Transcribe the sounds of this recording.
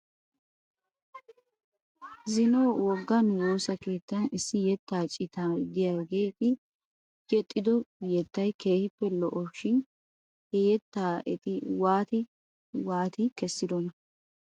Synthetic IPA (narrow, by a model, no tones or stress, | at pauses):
zɪnoːwɔɡːɐnwo̞ːsɐke̞ːt̪ːɐnɪsːɪjɛt̪ːaːt͡ʃʼɪt̪ad̪ɪjaɡeːt̪ɪ | jɛt̪ʼːɪd̪ɔjɛt̪ːɐjke̞ːhɪpːɛlɔʔɔʃɪn | hɛjɛt̪ːaːʔɛt̪ɪwaːt̪ɪ | waːt̪ɪkɛsːɪd̪ɔnɐ